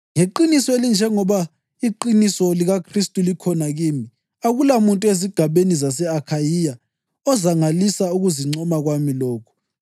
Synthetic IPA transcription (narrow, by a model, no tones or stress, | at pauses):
ŋeǃinisɔelind͡ʒʱɛŋɔβa | iǃinisɔliɣakʰristʼulikʰɔnaɣiːmi | aɣulamuntʼueziɡ̥ʱaβenizasɛakʰajija | ɔzaŋalisauɣuziŋ͡ǀɔmaɣwamilɔːkʰɔ̥